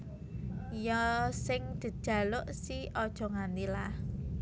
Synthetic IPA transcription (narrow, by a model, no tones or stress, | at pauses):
jɔsɪŋd̪̥i̤d̥ʒ̥a̤lʊʔsiɔd̥ʒ̥ɔ̤ŋand̪ilah